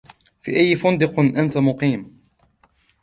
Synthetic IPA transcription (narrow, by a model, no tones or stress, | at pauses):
fḭːʔajːfʊnd̪ɪqʔant̪amʊqiːm